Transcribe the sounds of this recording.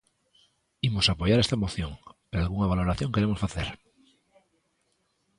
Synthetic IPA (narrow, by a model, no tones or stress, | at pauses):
imo̞sapoʝaɾest̪amoθjo̞ŋpeɾoalɣuŋaβ̞alo̞ɾaθjo̞ŋke̞ɾemo̞sfaθeɾ